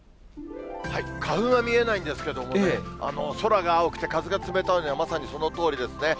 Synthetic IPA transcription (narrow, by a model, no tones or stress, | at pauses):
haikʰaɸɯ̟̃ɰ̃βamʲie̞naĩnd̪esɨ̥ke̞d̪o̞monea̰no̞so̞ɾaɡaːokɯ̥t̪e̞kazɨɡat͡sɨme̞t̪anoɲ̟iβamasaɲ̟iso̞no̞t̪o̞ːɾʲid̪e̞sɨne̞